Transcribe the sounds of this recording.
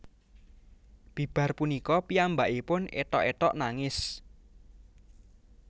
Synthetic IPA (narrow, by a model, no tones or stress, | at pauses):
b̥i̤b̥a̤rpunikɔpiambaʔipʊnḛt̪ɔʔet̪ɔʔnaŋɪs